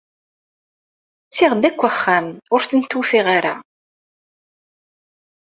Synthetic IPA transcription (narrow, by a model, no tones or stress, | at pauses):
t͡sːɪʁd̪ækʷːəχːæmʊɾθənt̪ːufiʁaɾa̰